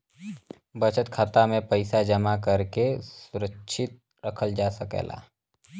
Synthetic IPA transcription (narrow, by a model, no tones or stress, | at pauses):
bət͡ʃət̪kʰat̪amẽpəɪsad͡ʒəmakəɾkesʊɾəkʃʰɪt̪̚ | ɾəkʰəld͡ʒaːsəkḛːla̰ː